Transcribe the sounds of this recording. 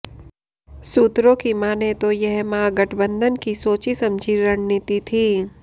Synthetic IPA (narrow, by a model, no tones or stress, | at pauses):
suːt̪ɾõkimaːnet̪ojɛɦmaːɡɐʈʰbə̃nd̪ʱənkisoːt͡ʃisɐ̃md͡ʒʱiɾɐnnit̪it̪ʰiː